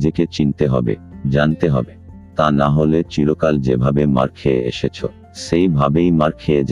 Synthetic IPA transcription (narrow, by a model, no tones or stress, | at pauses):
d͡ʑeket͡ɕint̪eɦɔbḛd͡ʑant̪eɦɔ̰be | t̪anaɦolet͡ɕiɾokald͡ʑebʱabema̰ɾkʰeḛḛʃet͡ɕʰo̰ | ʃejbʱabejmaɾkʰeed͡ʑ